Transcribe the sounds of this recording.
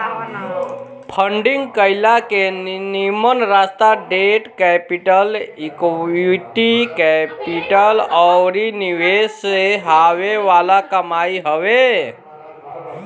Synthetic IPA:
pʰəɳɖiŋɡkəɪlakennimənɾast̪aɖeʈkɛpiʈəlikuʈikɛpiʈəlɔɾiniweseɦaweʋalakəmaiɦəwe

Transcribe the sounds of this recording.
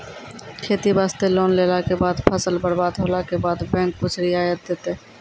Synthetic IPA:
kʰet̪ibast̪elonlelakebad̪pʰəsəlbəɾbad̪ɦolakebad̪bɛ̃ŋk̚put͡ʃʰɾiajət̪̚d̪et̪e

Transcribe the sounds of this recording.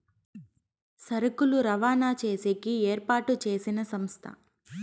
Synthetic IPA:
sɐɾɐkuluɾɐʋaːnaːt͡ʃe̞ːsekieːɾpaːʈut͡ʃe̞ːsinɐsɐmst̪ʰɐ̰

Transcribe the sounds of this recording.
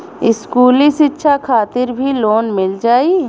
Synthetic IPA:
ɪskuːliʃɪtːʃʰakʰaːt̪ɪɾbʱiloːnmɪld͡ʒaːi

